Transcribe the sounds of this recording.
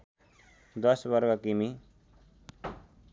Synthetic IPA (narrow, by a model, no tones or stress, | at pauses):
d̪ʌsbʌɾɡʌkimi